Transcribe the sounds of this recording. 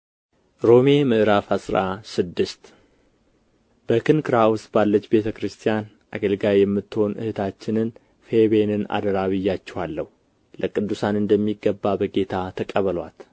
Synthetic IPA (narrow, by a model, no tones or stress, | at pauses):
ɾo̞me̞mɨʔɨɾafasʼɾasɨd̪ːɨst̪ | b̥əkʰɨnkʰɨɾaʊst̪balːət͡ʃːbe̞t̪ʰəkɾɨst̪ʰijan | ʔaɡəlɡajjɛmːɨt̪ːɨho̞nʔɨ̰hɨt̪ʰat͡ʃːɪnɨn | feβenɨna̰d̪əɾaβɨjːat͡ʃːɛhalːəhu | ləkʼɨd̪ːusanɨnd̪əmːiɡːəbːabəɡe̞t̪ʰat̪ʰəkʼəβəlwa̰t̪